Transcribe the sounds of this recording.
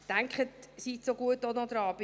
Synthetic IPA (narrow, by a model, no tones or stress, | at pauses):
tæŋkχət̪sit̪soɡuətːonɔd̥̪ɾɑːb̥ɪ